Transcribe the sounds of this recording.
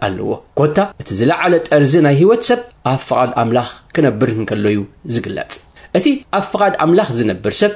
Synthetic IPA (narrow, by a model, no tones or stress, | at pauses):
ʔalːɐ̰wo̞̰ko̞t̪ʰːaʔɨt̪ʰizɨlɐʕalɐt̪ʼɐɾzinajhiwot̪sɐβʔaβfɨkʼad̪amlaxkʰɨnɐbːɨɾhɨŋkʰɐlːojuzɨɡɨlːɐ̰t͡sʼ | ʔɨt̪ʰiʔaβfɨkʼad̪a̰mlaxzɨnɐbːɨɾsɐβ